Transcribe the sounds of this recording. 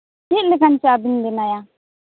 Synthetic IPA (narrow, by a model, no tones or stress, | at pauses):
kilɪkɐnt͡ʃiabɪndɪnaja